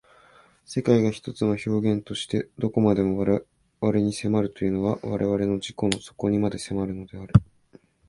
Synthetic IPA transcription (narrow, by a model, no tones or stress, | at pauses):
se̞kaiɡaçi̥t̪o̞t͡sɨnoço̞ːɡẽ̞nt̪o̞ɕi̥t̪e̞d̪o̞ko̞mad̪e̞mo̞β | βaɾe̞ɲ̟ise̞maɾɯ̟t̪o̞jɯ̟no̞βaβaɾʔe̞βaɾe̞no̞ʑiko̞no̞so̞̥ko̞ɲ̟imad̪e̞se̞maɾɯ̟no̞d̪e̞aɾɯ̟